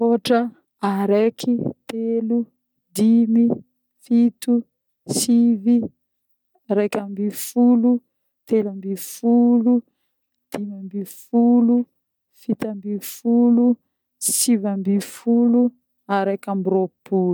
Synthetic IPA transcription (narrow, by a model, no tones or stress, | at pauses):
oʈ͡ʂə | aɾekʰit̪elu | d̪imi | fit̪u | sivi | ɾekambifulu | t̪elambifulu | d̪̥imambifulu | fit̪ambifulu | sivambifulu | aɾekambiɾopu